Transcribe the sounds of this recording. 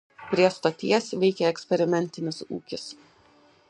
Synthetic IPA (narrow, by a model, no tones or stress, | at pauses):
pʲɾʲiɛst̪oːt̪ʲiɛsʋʲɛɪkʲɛɛksʲpʲɛɾʲɪmʲɛnʲt̪ʲɪnʲɪsṵːkʲɪs